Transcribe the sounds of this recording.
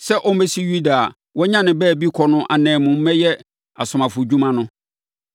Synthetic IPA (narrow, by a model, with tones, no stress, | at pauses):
sɛ˦ʔɔ˦m˦mɛ˦si˦ju˦da˨ | wɔ˦ɲã˦nɪ̃˨bɛː˦˨bi˦kʰɔ˨nʊ̃˦ʔa˨nɛ̃ː˨mʊ̃˨m̩˦mɛ˦jɛ˦ | a˨sʊ˨mã˨fʊ˨d͡ʑᶣu˦mã˦nʊ̃˦